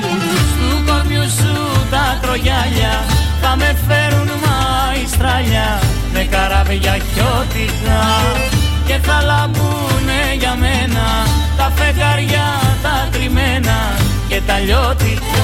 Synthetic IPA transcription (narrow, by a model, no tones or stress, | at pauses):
ust̪ukomjusu | t̪ɐt̪ɾo̞ʝɐʎɐ | t̪ɐme̞fe̞ɾunmɐ | ist̪ɾɐʎɐ | mekɐɾɐveʝɐçot̪ikɐ | ce̞θɐlɐvu | me | ʝɐmenɐ | t̪ɐfekɐɾʝɐ | t̪ɐt̪ɾimenɐ | ce̞t̪ɐʎot̪ik